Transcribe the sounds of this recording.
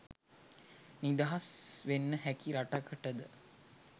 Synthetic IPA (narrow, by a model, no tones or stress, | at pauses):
nid̪aɦasʋenːəhækiɾaʈakəʈəd̪ə